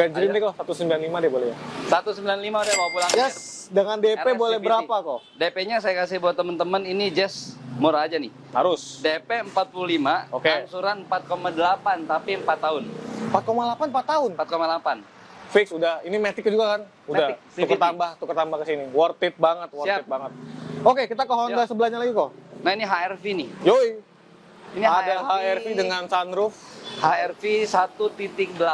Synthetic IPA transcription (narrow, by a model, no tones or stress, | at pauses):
ɡad͡ʒiɾidɛkɔsat̪usəmbilanlimadibolɛjasat̪usəmbilanlimaudabapulaŋd͡ʒasdəŋandepebolɛhəɾapakɔ | depeɲasajakasihbuat̪ːəmənt̪əməninid͡ʒɛsmoɾaːd͡ʒanɪh | haɾʊsdepeəmpat̪̚pululimaokeaŋsuɾanəmpat̪̚komadəlapant̪apiəmpat̪ːaʊnmpat̪̚komadlapanm̩pat̪ːaʊnmpat̪̚komaəlapan | fɪksudahinimɛt̪ɪkːd͡ʒuɡakan | umdahk̚st̪iukət̪aambaht̪ukərt̪ambahkəsiniwɔrt̪ɪt̪̚baŋət̪̚wɔiaɪt̪̚baŋət̪̚okekit̪akəɦondasəbəlaɲalaɡikonahiniɦaɛrfinɪhjoi | iniadaɦaɛrfidəŋansandɾʊfhaɛrfisat̪ut̪it̪ɪk̚dəla